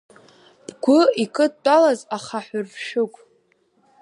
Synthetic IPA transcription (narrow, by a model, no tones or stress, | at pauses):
b̥ɡʷʊikʰʼɨt̚ʼt͡pʼalazaχaħʷʊrvʃɨkʷʼ